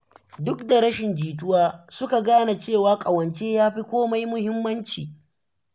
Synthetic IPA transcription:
dʊ˦k̚da˨ɾɐ˦ʃɪ˨nd͡ʒiː˨t̬ʊ˦waː˦sʊ˦ka˨ɡaː˦na˨t͡ʃeː˦˨waː˦kʼɐ˨wɐ˨nt͡ʃeː˦jaː˦ɸi˦kʷoː˦ma˦jmʊ˦hɪ˦mːɐ˦nt͡ʃiː˨

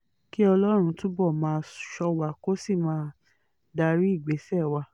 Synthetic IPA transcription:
ki˦ɔ˧lɔ˦ɾ̃ũ˧tũ˦bɔ˦˨mãː˨˦˧ʃɔ˧wa˧˨ko˦si˦˨mãː˦ | da˧ɾi˦i˦˨ɡ͡be˨˦sɛ˦˨wa˧

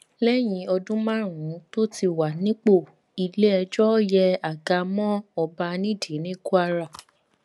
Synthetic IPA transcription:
lɛ˦j̃ĩ˨˦ɔ˧dũ˦mã˦ɾ̃ũ˨˦to˦ti˧˨wa˨nĩ˦k͡po˦˨ | i˧le˦ɛ˧d͡ʒɔ˦jɛ˧a˨ɡa˧˦mɔ̃˦ɔ˧ba˧nĩ˦di˨˦nĩ˦ku˦a˧ɾa˨

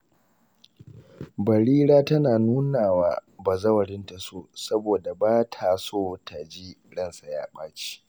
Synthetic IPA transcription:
bɐ˨ɽiː˦ɽaː˦tɐ˦naː˨nuː˦naː˨waː˦baː˨zɐ˦wɐ˨ɽɪ˦nta˨soː˦˨sɐ˦boː˨da˨baː˦tʰa˨soː˦tʰa˨d͡ʒi˦ | ɽɐ˦˨nsa˨ja̰ː˦ɓaː˦t͡ʃi̥ː˦ʔ

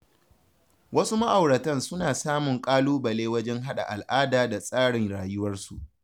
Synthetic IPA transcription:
wʔɐ˦su˦ma˦ʔa˨wɽɐ˨tɐ˦nsʊ˦naː˨saː˦mʊ˨ŋkʼaː˦luː˦bɐ˨leː˦wɐ˦d͡ʒɛ˦ŋɦa˦ɗa̰˨ʔa˨lʔaː˦daː˨da˨sʼaː˦ɽɪ˨ŋɽaː˨jʊ˦wɐ˦rsu˨ʔ

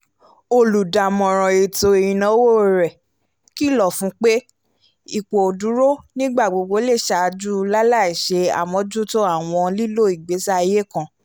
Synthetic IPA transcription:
o˧lu˨da˨mɔ̃˨ɾ̃ɔ̃˨e˨to˧e˨ĩ˨nã˧˦wo˦˨ɾɛ˨ | ki˦˨lɔ˦˨fũ˨˦k͡pe˦ | i˦˨k͡po˨du˨˦ɾo˦nĩ˦ɡ͡ba˦˨ɡ͡bo˨˧ɡ͡bo˧˦le˦˨ʃa˨˧d͡ʒu˦la˦la˦˨i˨ʃe˧a̰˨mɔ̃˧˦d͡ʒu˦to˦a˦˨w̃ɔ̃˧li˦lo˦˨i˦˨ɡ͡be˨˦sa˦i˧je˦kã˧˨

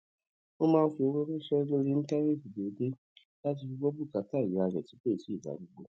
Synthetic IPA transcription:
o˦mãː˦˧n̩˦fi˧o˧wɔ˦ɾũ˦ʃɛ˦lo˦ɾi˦ñ̩˦tã˦ẽ˦˨fi˨be˨˦de˦ | la˦t̬i˧fi˧ɡ͡bɔ˦bu˦˨ka˨˦ta˦˨u˨˦a˧ɾɛ̰˨ti˨˦k͡pe˦˨si˦˨ba̰˨˦ɡu˦ɡ͡bo˧

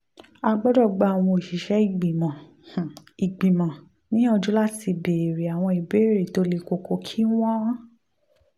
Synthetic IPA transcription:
a˧ɡ͡bɔ˦dɔ˦˨ɡ͡ba˧˨a˨w̃ɔ̃˧o˨ʃi˨˦ʃɛ˦i˦˨ɡ͡bi˨mã˨ | i˨ɡ͡bĩ˨mã˨ | nĩ˨˦ɔ˧d͡ʒu˦la˦ti˧be˨ɾe˨a˨w̃ɔ̃˧i˨be˨˦ɾe˦˨to˨˦le˧˨ko˨ko˧˦kʰi˦w̃ã˦ã˦

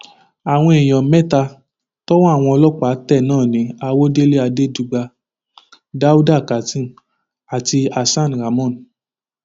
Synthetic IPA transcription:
a˨w̃ɔ̃˧e˨j̃ɔ̃˨mɛ˦ta˧ | tɔ˦wɔ̃˦a˦˨w̃ɔ̃˧ɔ˧lɔ˦k͡pa˨˦tɛ˦˨nãː˦˨nĩ˨˦a˧wo˦de˦le˦a˧de˦d͡ʒu˧ɡ͡ba˧ | da˦u˦da˦˨ka˨tĩ˦˨n | a˨ti˧a˨sã˦˨n˨ɾa˨mɔ̃˦˨n

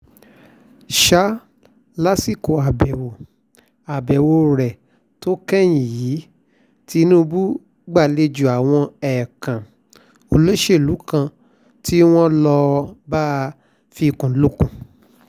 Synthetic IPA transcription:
ʃa˦ | la˦si˦˨ko˨a˨bɛ˨wo˨ | a˨bɛ˨wo˧ɾɛ˨ | to˦kɛ˦j̃ĩ˨jiː˨˦ | ti˦nũ˦bu˦ | ɡ͡ba˦˨le˧d͡ʒu˨a˨w̃ɔ̃˧ɛ˨kã˨ | o˧lo˦ʃe˦˨lu˨˦kã˧ | ti˦w̃ɔ̃˦lɔ˧baː˦ | fi˧kũ˨˦lu˦kũ˦˨

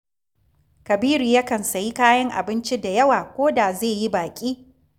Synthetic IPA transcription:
kɐ˨biː˦ɾiː˨jɐ˦kɐ˨nsɐ˨ji˦kaː˦jɐ˦ŋʔa̰˨bɪ˦nt͡ʃi˦da˨jɐ˦waː˨kʷoː˦da˨zeː˦˨ji˦baː˨kʲʼiː˦

